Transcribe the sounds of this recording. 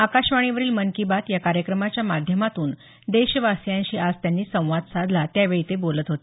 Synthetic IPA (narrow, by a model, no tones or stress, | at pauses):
akaɕʋaɽ̃iʋəɾiːlmənkibat̪jakaɾjəkɾəmat͡ɕjamad̪ʱjəmat̪uːn | d̪eɕʋasjãnɕiːʔad͡zt̪janːiːsə̃w̃ʋad̪sad̪ʱlat̪jaʋeɭit̪ebolət̪ɦot̪e